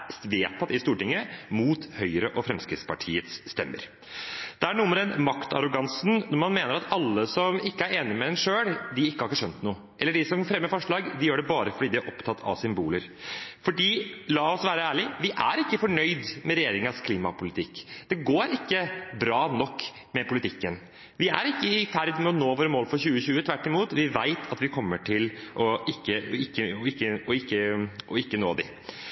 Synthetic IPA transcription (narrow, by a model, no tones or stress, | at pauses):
sʋeːt̪ʰɑt̪ːɪst̪uːʈɪŋːəmuːt̪hœʏɾəʔɔfɾɛmskɾɪt̪spɑʈʰiːət̪sːt̪ɛmːə̰ɾ | d̪̥ɛæɳuːməɾɛnmɑkt̪ʰɑ̰ɾʊɡɑnsnnɔɾmɑnmeːnəɾɑt̪ɑlːəsɔmɪkːəæɾeːnɪmɛd̪ɛnʂøːɽd̪ɪɪkːəhɑɾɪkːəʂœnt̪nuːə | ʔɛlːəɖɪsɔmfɾɛmːəɾfɔʂɭɑːɡd̪ɪjøːɖɛbɑːɾəfɔɖiːd̪ɪæɾʔɔpt̪ʰɑt̪ːʰɑ̰ʋsʏmbuːləɾ | fɔɖiːlɑːɔsʋæːɾəæːɭɪʋɪʔæɾɪkːəfɔɳœʏd̪mɛɾɛjeːɾɪŋɑskʰliːmɑ̰pʊlɪt̪ʰɪkːd̪̥ɛɡoːɾɪkːəbɾɑːnɔkː | mɛpʊlɪt̪ʰɪkːən | ʋɪæ̰ɾɪkːəɪfæɾd̪mɛɔnoːʋoːɾəmoːlfɔɾçʉːəçʉːət̪ʰʋæʈːɪmuːt̪ʋɪʋæɪt̪ʰɑt̪ʋɪkʰɔmːəʈʰɪlʔɔɪkːəɪkːəɔɪkːəɔɪkːəʔɔɪkːənoːd̪ɪ̰